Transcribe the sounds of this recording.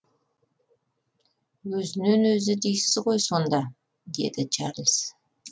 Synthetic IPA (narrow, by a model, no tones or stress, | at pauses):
wɵzɪnenwɵzɪd̪ejsɪzʁo̞jso̞nd̪ɑ | d̪e̞̰d̪ɪt͡ʃʰɑɾlʲˠs